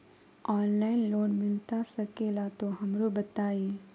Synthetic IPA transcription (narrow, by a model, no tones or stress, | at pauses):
ɔːnlaːɪnloːnmɪlt̪asɐkelat̪oɦɐmɾobɐt̪aːiː